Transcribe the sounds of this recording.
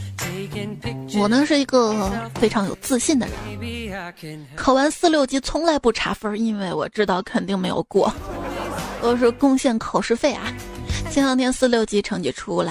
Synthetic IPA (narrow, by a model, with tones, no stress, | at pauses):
wɔ˨˩nə˧˥ʂɻ̩˥˩i˧˥ɡə˧fe˥ɪʈ͡ʂʰɑ˧˥ŋjo̰˨˩ʊt͡sɹ̩˥˧ɕi˥˩nd̪ə̰˩ɻə̰˧˥n | kʰo˨˩ʊwa˧˥nsɹ̩˥˧ljo˥˩ʊt͡ɕi˥t͡sʰʊ˥ŋla˧˥ɪpu˥˩ʈ͡ʂʰa̰˧˥fə˥i˥nwe˥˩ɪwɔ̰˨˩ʈ͡ʂɻ̩˥t̪ɑ˥˩ʊkʰə˨˩nt̪i˥˧ŋme˧˥ɪjo̰˨˩ʊkwɔ̰˥˩ | xɔ˥˩˧ʂɻ̩˥˧kʊ˥˧ŋɕjɛ˥˩nkʰo˨˩ʊʂɻ̩˥˧fe˥˩ɪʔa̰˩t͡ɕɛ˥˧n˥˧ŋt̪ʰjɛ˥˧nsɹ̩˥˧ljo˥˩ʊt͡ɕi˥ʈ͡ʂʰɤ˧˥ŋt͡ɕy̰˥˩ʈ͡ʂʰu˥la˨˧˦ɪ